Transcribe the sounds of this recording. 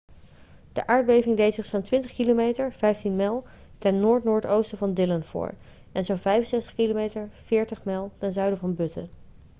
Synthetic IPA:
d̥ə̰ʔaːɹd̚bejvɪŋdejtsɪχsaːntʋɪntəχkilomejtəɹv̥ɛjftinmɛlˠ | tɛnnʊːɹtnʊːɹtowstəvɑndɪlənv̥ʊ̰ːɹ | ɛnzovɛjfənsɛstəχkilomejtəɹv̥ɪːɹtəχmɛlˠtɛnzœɥdəvɑnbɵtə̰

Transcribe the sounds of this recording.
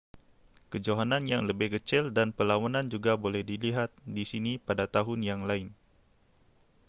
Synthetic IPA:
kəd͡ʒoɦananjaŋləbɪhɡət͡ʃɪldanpəlawanand͡ʒuɡabolɛhdiliɦat̪̚disinipadat̪aɦʊnjaŋlaɪn

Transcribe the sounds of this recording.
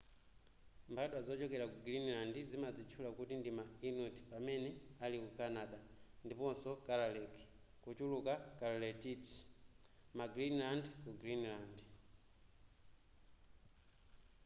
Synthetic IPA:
mbaɗwad͡zɔt͡ʃɔkɛɾakuɡɾinlandid͡zimad͡zit͡ʃʰulakutindimainɔti̥pamɛnɛalikukanaɗa | ndipɔnsɔkalalɛki̥ | kut͡ʃulukakalalɛtit | maɡɾinlandkuɡɾinland

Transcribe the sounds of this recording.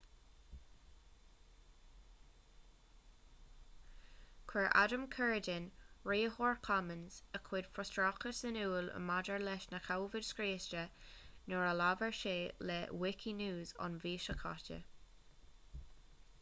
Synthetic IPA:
kʰwɛɹʔa̰dəmkʰɜɹdɪnɹiːhɔɹkʰamənz̥əkʰwɪd̥fɹɔstɹɑkəsənuːlə̰madəɹlɛʃnəkʰawvɪd̥skɹeːstənɔɹəlavəɹʃeːlɛwɪkʰinuːzɑ̰nviːʃəkʰɑ̰tə̰

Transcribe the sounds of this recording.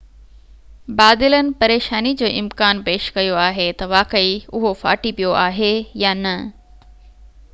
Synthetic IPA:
baːd̪ɪlənɪ̆pɐɾeːʃaːnid͡ʑoːʔɪmkaːnpeːʃkɐjoaːɦet̪ɐʋaːkəiʊɦofa̰ːʈipijoʔaːɦejaːnɐ

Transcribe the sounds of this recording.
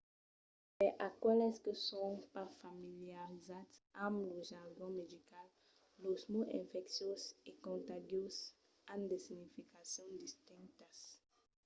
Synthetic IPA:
eʔakwɛleskəsõw̃pafamiljaʁizat̪sãmluʒaɾɡõmedikalː | osmuʔẽɱfɛksjosekõnt̪aɡjos | ãnd̪esinifikasjõwd̪ist̪ĩnt̪as

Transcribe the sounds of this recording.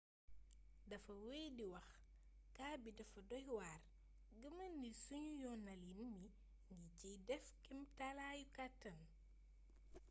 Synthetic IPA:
dɐfɐwejdiwɐx | kaːbidɐfɐdɔhwaːr | ɡəmɐnːisuɲujɔnɐlinmi | ŋɡiɟijdɛfkimtalaːjukatːɐn

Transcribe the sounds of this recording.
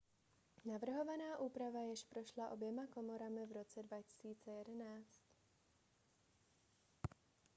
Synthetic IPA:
navr̩ɦo̞vanaːʔuːpɾavajɪʃpɾo̞ʃlaʔo̞bjɛmako̞moɾamɪvɾo̞t͡sɛdvacɪ̥siːt͡sɛjɛdɛnaːt͡st̪

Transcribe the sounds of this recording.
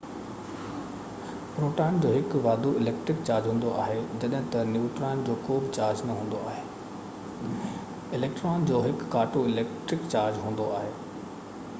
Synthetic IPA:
pɾoːʈaːɪnd͡ʑoːɦɪkʊʋaːd̪oɪleːkʈɾɪk̚t͡ɕaːɾd͡ʑɦũːn̆d̪oʔa̰ːɦed͡ʑɐɗɦɪ̃t̪ɐnjuːʈɾaːɪnd͡ʑoːkoːbɪt͡ɕaːɾd͡ʑnɐɦũːn̆d̪oaːɦeː | ɪleːk̚ʈɾaːnd͡ʑoːɦɪkːaːʈoɪleːkʈɾɪkt͡ɕaːɾd͡ʑɦũːn̆d̪oaːɦeː

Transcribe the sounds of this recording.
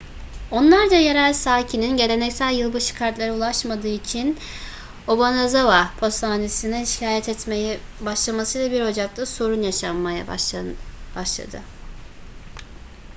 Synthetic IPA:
o̞nlˠaɾd͡ʒajeɾælʲsaːcʰininɟe̞lʲe̞nɛcsælʲjɯlˠbɯʃɯ̥kʰaɾt̪lˠaɾulˠaʃmad̪ɯːit͡ʃʰin | obanazavapʰo̞st̪aːnesinɛiʃi̥cʰaːjɛt̪ʰɛt̪mej | baʃlˠamasɯjlˠabiɾo̞d͡ʒak̚t̪ʰaso̞ɾunjaʃamːaja̰ | b̥aʃlˠa̰d̪ɯ̰

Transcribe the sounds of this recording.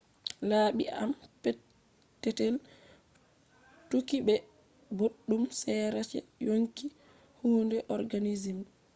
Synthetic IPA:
laːɓia̰mpɛ | tːɛtɛl | tukiɓɛ | boɗːumsɛɾat͡ʃɛ̰joŋki | huːndɛʔɔɾɡanizim

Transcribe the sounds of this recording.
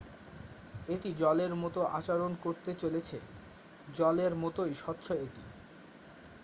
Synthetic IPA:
eʈid͡ʑɔleɾmɔt̪oʔat͡ɕaɾonkoɾt̪et͡ɕolet͡ɕʰḛ | d͡ʑɔleɾmɔt̪ojʃɔt̪ːʃoeʈḭ

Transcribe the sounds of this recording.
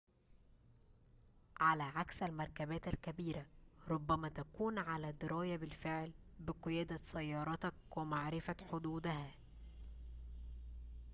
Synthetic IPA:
ʕalæːʕaksælmɑɾˤkæbæːt̪ælkæbiːɾæɾˤʊbːæmæːt̪ækuːnʕalæːd̪ɪɾˤɑːjæbɪlfɪʕlbɪqɨjæːd̪æsæjːɑːɾˤɑt̪ɑkwɪmaʕɾɪfæħod̪uːd̪æhæ

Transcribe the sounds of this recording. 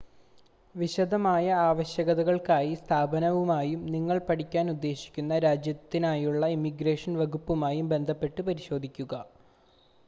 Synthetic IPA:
ʋiɕɐd̪ʱɐmaːjɐaːʋɐɕjɐɣɐðɐɣɐɭkaːjist̪ʰaːbɐnɐʋumaːjumniŋːɐɭpɐɽikʲːaːnud̪ːe̞ːɕi̥kʲːunːɐɾaːd͡ʑjɐt̪ːinaːjuɭːɐimiɡɾeːʂɐnʋɐɡupːumaːjumbe̞nd̪ʱɐpːe̞ʈːɨpɐɾiɕo̞ːd̪ʱikʲːuɣɐ

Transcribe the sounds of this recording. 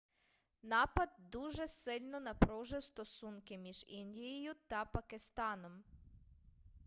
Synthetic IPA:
nɑpɐd̪̚d̪uʒɛsɪlʲnɔnɐpɾɔwʒɪwst̪ɔsunkɪmʲiʒinʲdʲijijʊt̪ɐpɐkɪst̪ɑnɔm

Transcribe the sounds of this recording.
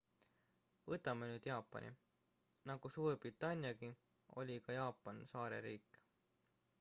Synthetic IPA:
vɤt̪ːˑɑmenyːd̪̥jɑːpːˑɑ̰nḭ | nɑɡ̥usuːrbrit̪ːˑɑnʲjɑɡi | o̞̰lʲikɑjɑːpːˑɑnsɑːɾe̞̰ɾiːkːˑ

